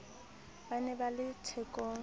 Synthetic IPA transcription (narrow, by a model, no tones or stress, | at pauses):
banɛbalɪt͡sʰɛkʼɔː